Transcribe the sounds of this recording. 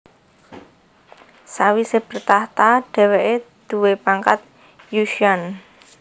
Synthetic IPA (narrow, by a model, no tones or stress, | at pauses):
sawiseb̥ə̤rt̪aht̪aɖ̥ɛ̤weʔed̪̥uwepaŋkat̪̚ | juʃian